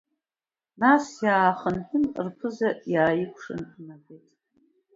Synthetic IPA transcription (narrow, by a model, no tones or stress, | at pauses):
nasjaːχənħʷᶣʊmrpʰɨzajaːjɪkʷʰʂɨ̰nnaɡʷejtʼ